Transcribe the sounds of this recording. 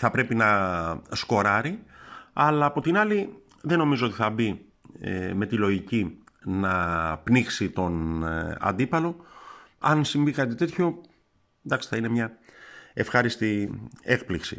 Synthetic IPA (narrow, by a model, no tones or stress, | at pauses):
θɐpɾe̞pinɐsko̞ɾɐɾiɐlɐːpo̞t̪inɐli | ðeno̞mizoo̞t̪iθɐbi | me̞t̪ilo̞ʝicinɐpnixsit̪o̞nɐ̰nd̪ipɐlo̞ | ɐ̰nsiɱvikɐt̪it̪e̞t̪ço̞ | nd̪ɐksθɐine̞mɲɐ | e̞fxɐɾist̪ie̞k̚pliksi̥̰